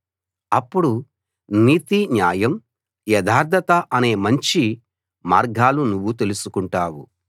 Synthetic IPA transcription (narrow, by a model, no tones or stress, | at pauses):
ɐpːuɽu | niːt̪iɲjaːjɐm | jɐd̪ʱaːɾd̪ʱɐt̪ɐʔɐne̞ːmɐɲt͡ʃi | maːɾɡaːlunuʋːut̪e̞lusukuɳʈaːwu